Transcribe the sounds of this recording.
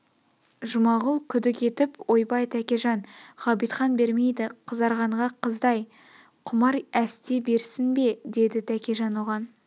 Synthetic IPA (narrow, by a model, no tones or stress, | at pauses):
ʒʊmɑʁəlˠkʲʰʏd̪ɪkʲʰe̞t̪ɪpwo̞jbɑjt̪ʰækʲe̞ʒɑnʁ̥ɑbijt̪χɑnbe̞ɾme̞jd̪ɪqʰəzɑɾʁɑɴʁɑqʰəzd̪ɑj | qʰʊmɑɾæst̪e̞be̞ɾsɪnbe̞d̪e̞d̪ɪt̪ʰækʲe̞ʒɑnwoʁɑn